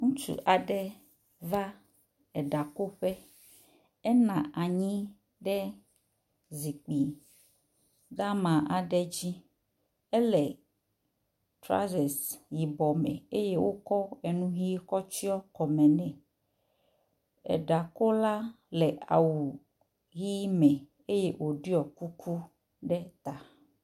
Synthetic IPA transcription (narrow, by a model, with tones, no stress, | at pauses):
ŋũ˦t͡ʃṵ˨ʔa˨ɖɛ˦ | va˦ | ɛ˨ɖa˨ko˦ɸɛ˦ | ɛ˦nã˨ʔa˨ɲĩ˦ | ɖɛ˦ | zi˨k͡pi˨ | da˦mã˨ʔa˨ɖɛ˦d͡ʑi˦ | ɛ˦lɛ˨ | tɾa̰˦zɛ˨sji˨bɔ˨mɛ̰̃˨e˦je˦wo˦kɔ˦ɛ˨nũ˦ɣi˦kɔ˦t͡ɕi˦ɔ˦kɔ˨mɛ̃˨nɛ̃˨ | ɛ̰˨ɖa˨ko˦la˦ | lɛ˨ʔa̰˨wu˨ | ɣi˦mɛ̃˨ | e˦je˦ʔwʔo˨ɖi˦ɔ˨ku˦kʰu˦ | ɖɛ˦t̪a˨